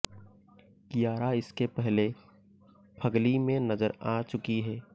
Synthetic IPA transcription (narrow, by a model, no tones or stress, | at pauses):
kijaːɾaɪskepɛɦle | pʰɐɡlimẽnɐzəɾaːt͡ʃʊkiɦɛː